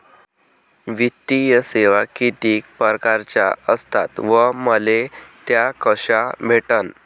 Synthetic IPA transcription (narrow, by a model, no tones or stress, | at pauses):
ʋit̪ːijəseʋakit̪iːk̚pəɾkaɾt͡ɕja̰əst̪a̰t̪ʋəməlet̪jakəɕabʱeʈən